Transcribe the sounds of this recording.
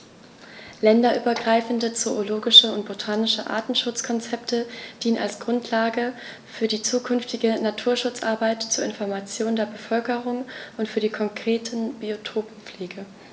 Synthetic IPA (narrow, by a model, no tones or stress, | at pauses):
lɛndɐʔyːbɐɡʁaɪfn̩dət͡sooloːɡɪʃəʊnt̚b̥otʰaːnɪʃəʔa̰ːtn̩ʃʊt͡skʰɔnt͡sɛptʰəd̥iːəna̰lsɡ̥ʁʊntʰlaːɡə | fyːɐdiːt͡suːkʰʏnftɪɡənatʰuːɐʃʊt͡sʔa̰ɐbaɪtt͡suːɐɪnfɔɐmat͡sjoːndeːɐbəfœlkəʁʊŋʔʊntfyːɐɾiːkʰɔŋkʁ̥eːtʰən̩b̥iotʰoːpm̩p͡fleːɡə